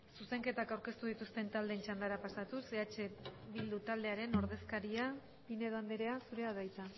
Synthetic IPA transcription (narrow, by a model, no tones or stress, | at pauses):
suse̞ŋke̞t̪akawɾke̞st̪uð̞it̪ust̪e̞nt̪ald̪ent͡ʃand̪aɾapasat̪useat͡ʃe̞βild̪ut̪ald̪e̞aɾe̞no̞ɾðe̞skaɾia | pine̞ðoand̪eɾe̞asuɾe̞aðajt͡s̪a